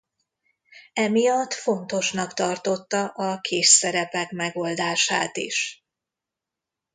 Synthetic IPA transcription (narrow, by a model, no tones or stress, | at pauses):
ɛmijɒt̪ːfo̞nt̪o̞ʃnɒkt̪ɒrt̪o̞t̪ːɒʔɒkʰeːʃsɛɾɛpɛkmɛɡo̞ld̪aːʃaːt̪ḭʃ